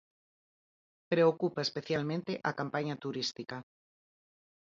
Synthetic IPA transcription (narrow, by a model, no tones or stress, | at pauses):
pɾeokupaespeθjalmẽnt̪eʔakampaɲat̪uɾist̪ika